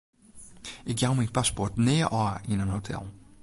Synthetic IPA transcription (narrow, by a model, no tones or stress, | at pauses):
ɪkjawminpʰaspɔɹtneːʔɑːɪ̃nənhotʰɛ̰lˠ